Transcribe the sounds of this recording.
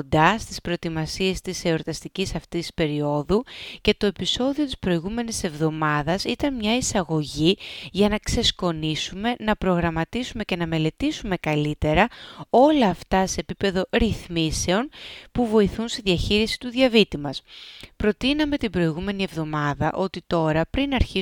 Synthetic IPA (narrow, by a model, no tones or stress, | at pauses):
d̪ɐst̪ispɾot̪imɐsie̞st̪ise̞oɾt̪ɐst̪icisɐft̪isi̥spe̞ɾio̞ðuce̞t̪o̞e̞piso̞ðio̞t̪i̥spɾo̞iɣume̞nise̞vðo̞mɐðɐsit̪ɐnmɲɐisɐɣo̞ʝiʝɐnɐkse̞sko̞nisume̞nɐpɾo̞ɣɾɐmɐt̪isume̞ce̞nɐme̞le̞t̪isume̞kɐlit̪e̞ɾɐo̞lɐːft̪ɐse̞ːpipe̞ðo̞ɾiθmise̞o̞npuvo̞iθunst̪iðiɐçiɾisi̥t̪uðʝɐvit̪imɐspɾo̞t̪inɐme̞t̪ibɾo̞iɣume̞nie̞vðo̞mɐðɐʔo̞t̪it̪o̞ɾɐpɾinɐɾçi